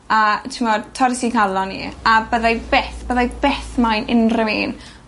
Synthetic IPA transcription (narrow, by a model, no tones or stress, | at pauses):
atʰɪmɔdtʰɔɾɪsiŋkʰalɔnḭabəðajvɛθb̥əðajvɛθmajnɪnrɪmeːn